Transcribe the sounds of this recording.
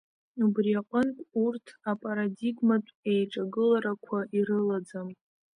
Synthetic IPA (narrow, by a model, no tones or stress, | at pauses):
ubriaqʼənkʷʼurtʰapʼaɾadiɡmatʷʼejʈ͡ʂʼaɡɨlaɾakʷʰaʔiɾɨlad͡zam